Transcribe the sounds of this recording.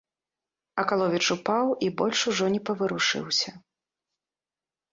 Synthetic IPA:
ɐkalˠɔvʲit͡ʂupawibɔlʲʂuʐɔnʲɛpɐvɨɾuʂɨ̰wsʲɐ

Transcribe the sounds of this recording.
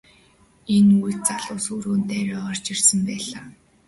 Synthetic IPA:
enujt̪̚t͡saɮʊːsuɾoːnt̪æːɾʊːʁɔr̥t͡ɕirsə̆mpæːɮaː

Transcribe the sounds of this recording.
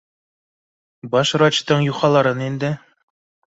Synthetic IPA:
bɑʃɾɑt͡ɕt̪ɤɴjuχɑlˠɑɾɤnind̪ɘ

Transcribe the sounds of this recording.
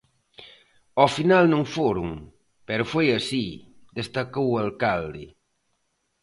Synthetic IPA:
ɔfinalnõŋfoɾuŋ | pɛɾʊfojɐsid̪est̪ɐkowalkald̪ɪ

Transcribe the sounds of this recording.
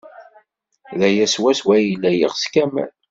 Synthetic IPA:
ðæjæswæswæjilæjiʁskæmæ̰l

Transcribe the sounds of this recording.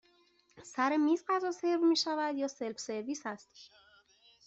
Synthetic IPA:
sæɾemiːzɢæzɒːse̞ɾvmiːʃævæd̪jɒːse̞lfse̞ɾviːsæst̪

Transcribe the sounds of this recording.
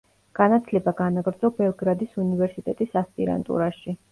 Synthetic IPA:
ɡ̥anat̪ʰlɛbaɡanaɡɾd̪zɔbɛlˠɡɾad̪isunivɛɾsit̪ʼɛt̪ʼisaspʼḭɾa̰nt̪ʼṵɾaʃi

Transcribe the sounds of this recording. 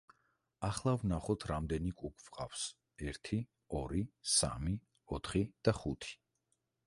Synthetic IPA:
aχlˠavnaχɔt̪ʰɾamd̪ɛnikʼukʰʼv̥qʼa̰fs | ɛɾt̪ʰi | ɔɾisa̰mi | ɔt̪ʰχid̪̥aχut̪ʰi̥

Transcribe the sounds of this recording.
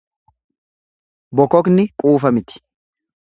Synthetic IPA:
bɔkɔknɪkʼuːfɐmɪt̪ɪ̥

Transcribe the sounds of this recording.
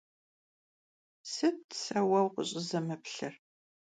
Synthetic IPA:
sɨtsɐwɐwqə̰ɕʼɪzɐmɨpɬɐr

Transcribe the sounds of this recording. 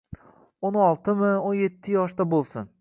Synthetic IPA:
onɒlˠt̪ɪmɪonje̞t̪ʰːɪjɒʃt̪abolˠsʊn

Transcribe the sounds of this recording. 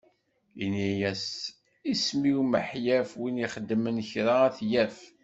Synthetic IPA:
inijæs | ismiwməħjæfwiniχəd̪ːmənçɾaæθjæf

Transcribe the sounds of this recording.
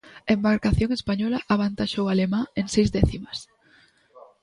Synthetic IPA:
embaɾkaθjoŋespaɲɔlaʔaβant̪aʃowalemãeŋsejzðɛθimas

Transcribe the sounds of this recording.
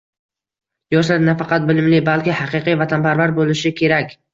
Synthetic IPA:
jɒʃlaɾnafɑqɑt̪̚bɪlɪmlɪbalkʲɪhɑqɨqɨjvat̪ʰanpʰaɾvaɾbolɪʃɪkʲʰe̞ɾakʲ

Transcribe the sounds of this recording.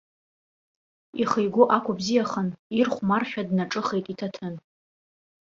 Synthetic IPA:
iχejɡʷoʔakʷʰʊbzijaχənirχʷmarχʲᶣadnaʈ͡ʂʼɨχejtʼitʰatʰɨn

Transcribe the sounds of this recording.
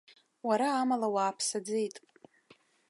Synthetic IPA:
waɾaːmalawaːpʰsad͡zejtʼ

